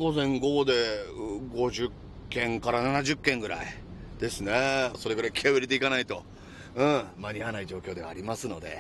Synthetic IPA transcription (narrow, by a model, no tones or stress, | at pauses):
ɡo̞zẽ̞ŋɡo̞d̪e̞ɡo̞ʑɨkː | ẽ̞ŋkaɾananaʑɨkːẽ̞ŋɡɯ̟ɾa̰i | d̪̥e̞sɨne̞so̞ɾe̞ɡɯ̟ɾaikʲʰiaβɯɾʲit̪eikanait̪o̞ | ɯ̃maɲ̟ianaid͡ʑo̞ːkʲo̞ːd̪e̞βaːɾʲimasɨno̞̰d̪e̞̰